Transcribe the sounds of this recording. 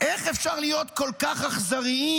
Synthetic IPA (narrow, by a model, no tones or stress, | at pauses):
ʔe̞χefʃaʁlijo̞t̪ko̞lkaχaχzaʁii